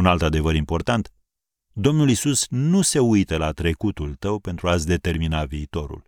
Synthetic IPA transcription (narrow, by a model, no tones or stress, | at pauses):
unalt̪ad̪e̞vəɾimpo̞rt̪ant̪ | d̪o̞mnulisusnuse̞ujt̪əlat̪ɾe̞kut̪ult̪əwpe̞nt̪ɾuasʲd̪e̞t̪e̞rminaviːt̪o̞ɾṵl